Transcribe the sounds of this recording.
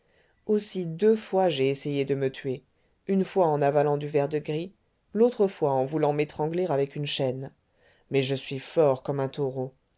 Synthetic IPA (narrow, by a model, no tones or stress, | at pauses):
osid̪øfwaʒeːsejed̪əmət̪ʰɥe | ynfwaɑ̃navalɑ̃d̪yvɛʁd̪əɡʁi | lot̪χəfwaɑ̃vulɑ̃met̪χɑ̃ɡleʁavɛkynʃɛn | mɛʒəsɥifɔʁkɔmɛ̃t̪ɔʁo